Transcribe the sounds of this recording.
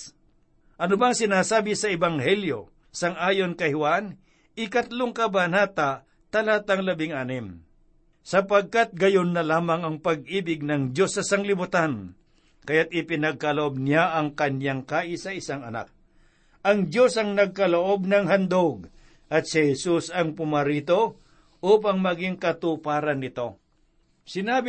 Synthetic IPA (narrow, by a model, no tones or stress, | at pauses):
ʔɐnʊbaŋsɪnaːsaːbɪsɐɛbɐŋhɛljo̞̰ | sɐŋʔaːjo̞nkɐjhwan | ɪkɐt̪loŋkɐbanaːt̪a | t̪ɐlaːt̪ɐŋlɐbɪŋʔaːnɪm | sɐpɐɡ̚kat̪̚ɡɐjonːɐlaːmɐŋɐŋpɐɡ̚iːbɪɡ̚nɐŋd͡ʒo̞sːɐsɐŋlɪbʊt̪an | kɐjat̪̚ʔɪpɪnɐɡ̚kɐloʔob̚nɪjaʔɐŋkɐnjaŋkaːʔɪsɐɪsaŋɐna̰k̚ | ɐŋd͡ʒo̞sɐŋnɐɡ̚kɐloʔo̞b̚nɐŋɦɐnd̪oɡ | ʔɐt̪̚sɪhɛsusɐŋpʊmɐɾiːt̪o̞ | ʔuːpɐŋmɐɡɪŋkɐt̪upaːɾɐnːɪt̪o̞ | sɪnaːbɪ